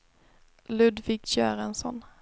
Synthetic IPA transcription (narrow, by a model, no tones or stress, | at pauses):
lɵd̪vɪkɕøːɾɛnsɔ̰n